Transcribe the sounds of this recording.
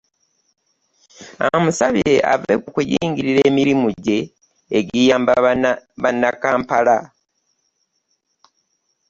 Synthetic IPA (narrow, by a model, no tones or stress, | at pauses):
amusaβiɾe̞ʔa̰vḛkukujiːŋɡiɾiɾeːmiɾimuɟe̞ː | ɡijaːmb | βanːakaːmpala